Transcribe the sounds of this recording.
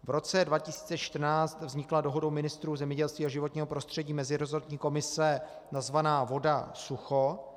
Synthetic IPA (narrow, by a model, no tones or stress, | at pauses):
vɾo̞t͡sɛdvacɪsi̥ːt͡sɛʃt̪r̩naːt͡st̪vzɲɪklado̞ɦo̞dowmɪnɪst̪ɾuːzɛmɲɛɟɛlst̪viːaʒɪvo̞t̪ɲiːɦo̞pɾo̞st̪r̝̥ɛɟiːmɛzɪɾozot̪ɲiːko̞mɪsɛ | nazvanaːvo̞da̰suxo